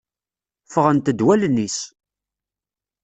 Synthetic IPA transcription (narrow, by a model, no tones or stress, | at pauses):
fəʁənt̪əd̪wælənːis